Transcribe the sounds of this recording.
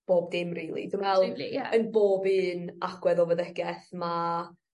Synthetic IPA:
b̥oːb̚dɪmriːlˠḭdɪmvɛlˠənboːbɨːnaɡ̥wɛðɔvəðɛɡ̥ɛθma

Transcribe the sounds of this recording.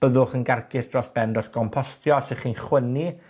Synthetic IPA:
b̥əðʊχənɡarkɪθd̥rɔsb̥ɛndɔɬɡ̥ɔmpʰɔstʰjɔsɪχinχwəni

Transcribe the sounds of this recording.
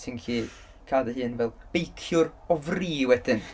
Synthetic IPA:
sʰɪnkʰiː | kʰaːdəhɨːnvɛlˠb̥ejkʰjʊrɔvriːwɛd̥ɪn

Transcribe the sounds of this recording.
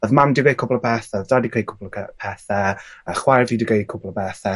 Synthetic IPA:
ɔðmamdiɡejkʰʊblˠəpʰɛθɛɔðdadikʰrejkʰʊblˠəɛpʰɛθɛəχwarviːdiɡejkʰʊblˠəbɛθɛ

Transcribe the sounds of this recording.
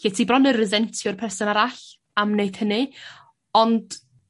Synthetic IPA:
itʰiːbrɔnərɪðɛntʰjɔrpʰɛrsɔnaɾaɬ | amnejd̥hənɨ | ɔnd̥

